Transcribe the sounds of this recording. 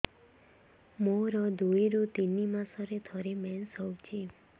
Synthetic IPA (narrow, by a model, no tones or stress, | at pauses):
moɾɔd̪ujɾut̪inːimãsɔɾet̪ʰɔɾemɛnsɦɔwt͡ʃʰe